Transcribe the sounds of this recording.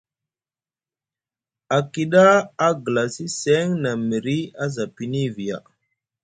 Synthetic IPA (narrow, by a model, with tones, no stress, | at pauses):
a˨ki˨ɗa˦a˦ɡə˨la˨si˦se˦ŋna˨mi˨ɾi˦a˦za˨pi˨ni˦vi˨ja̰˨